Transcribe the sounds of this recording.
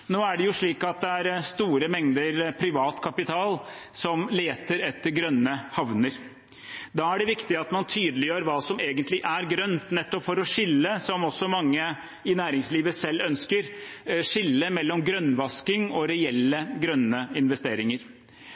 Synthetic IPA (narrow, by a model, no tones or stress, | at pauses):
noːæɖɛjʊʂɭiːkɑt̪̚d̪ɛæɾst̪uːɾəmɛŋd̪əɾpʰɾɪʋɑːt̪kʰɑpɪt̪ʰɑːl | sɔmleːt̪əɾɛt̪ːəɾɡɾœnːəhɑʋnəɾ | d̪ɑːæɖɛʋɪkt̪ɪɑt̪mɑnt̪ʰyːd̪lɪjøːɾʋɑːsɔmeːɡənt̪lɪʔæɾɡɾœnt̪nɛt̪ːɔpfɔɾɔʂɪlːəsɔmɔsːɔmɑŋːə | ɪnæːɾɪŋsliːʋəsɛlːœnskəɾʂɪlːəmɛlːɔmɡɾœnːʋɑskɪŋɔɾɛɛlːəɡɾœnːəɪnʋɛst̪eːɾɪŋəɾ